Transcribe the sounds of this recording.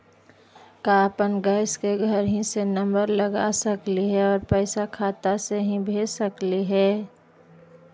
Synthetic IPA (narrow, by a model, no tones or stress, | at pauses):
kaːpənɡəɪskeɡʱəɾɦĩsenə̃mbəɾləɡa̰səkliɦɛɔːɾpɛɪsakʰaːt̪aseɦĩbʱeːsəkliɦɛː